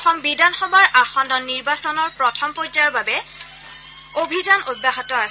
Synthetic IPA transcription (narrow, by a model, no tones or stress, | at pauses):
xɔmbidanxɔbaɹʔaxɔndɔnːiɹbasɔnɔɹpɹɔtʰɔmpɔzajɔbabɛ | obʱidanod̚baɦatɔas